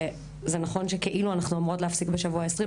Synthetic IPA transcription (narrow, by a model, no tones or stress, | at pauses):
zenaχo̞nʃe̞keʔiluanaχnuomʁo̞tlehafsikbeʃavuaesʁi